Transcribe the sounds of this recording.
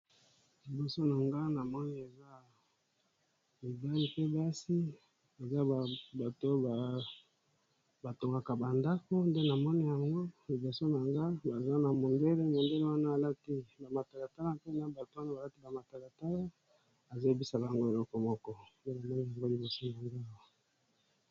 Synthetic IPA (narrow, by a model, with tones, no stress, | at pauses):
li˨bo˨so˦na˨ŋɡa˦na˨mɔ˦ni˦e˨za˦ | mi˨ba˦li˨pe˦ba˦si˦ | e˨za˦˨ba˨to˦ba˨ | ba˨to˨ŋɡa˨ka˨ba˨nda˦ko˦nde˦na˨mɔ˦ni˦ja˨ŋɡo˦li˨bo˨so˦na˨ŋɡa˦ba˨za˦na˨mo˨nde˦le˦mo˨nde˦le˦wa˦naː˦˨la˦ti˦ba˨ma˨ta˨la˨ta˦la˦pe˦na˨ba˨to˨˦wa˦na˦ba˨la˦ti˦ba˨ma˨ta˨la˨ta˦la˦ | a˨za˦˨bi˦sa˨ba˨ŋɡo˦e˨lɔ˦kɔ˨mɔ˦kɔ˦nde˦na˨mɔ˦ni˦ja˨ŋɡo˦li˨bo˨so˦na˨ŋɡa˦˨wa˦˨